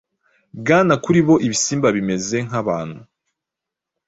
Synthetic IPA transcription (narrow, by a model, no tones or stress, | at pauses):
bɡaːnakuɾiβo̞ʔiβisiːmbaβime̞ze̞ŋ̥ɦaβaːn̥hu